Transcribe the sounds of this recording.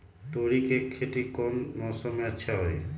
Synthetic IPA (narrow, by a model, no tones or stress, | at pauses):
t̪oɽikekʰːeʈikɔnmɔsɔmeaːʃʰaɦɔj